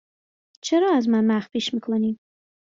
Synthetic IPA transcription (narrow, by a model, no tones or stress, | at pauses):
t͡ʃəɾɑazmanmaxpeʃmɪklani